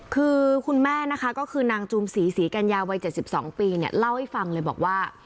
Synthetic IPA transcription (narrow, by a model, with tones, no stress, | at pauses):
kʰɯː˧kʰu˧nmɛː˥˩na˦˥kʰa˦˥kɔː˥˩kʰɯː˧naː˧ŋt͡ɕu˧msiː˩˦siː˩˦ka˧njaː˧wa˧jt͡ɕe˨˩t̪̚si˨˩p̚sɔː˩˦ŋpiː˧ni˥˩ɐla˥˩wha˥˩jfa˧ŋlɤː˧jbɔ̰ː˨˩k̚waː˥˩